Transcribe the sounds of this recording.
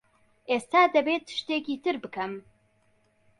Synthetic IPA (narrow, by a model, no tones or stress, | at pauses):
ʔeːst̪aːd̪ɐbeːt̪ːɨ̥ʃt̪eːkiːt̪ɨɾbɨkɐm